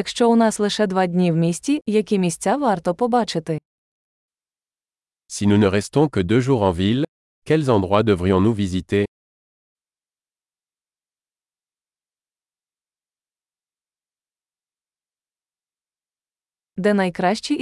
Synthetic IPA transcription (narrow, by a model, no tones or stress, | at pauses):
ɐkʃt͡ʃɔʊnɑslˠɪʃɛd̪ʋɑdʲnʲiwmʲisʲtʲt͡sʲijɐkʲimʲisʲt͡sʲaʋɑrt̪ɔpɔbɑt͡ʃɪt̪ɪ | sinunəʁɛst̪ɔ̃kəd̪øʒuʁɑ̃vʲil | kʲɛlzɑ̃d̪ʁwad̪əvʁijɔ̃nuvʲizit̪e | d̪ɛnɐjkɾɑʃt͡ʃi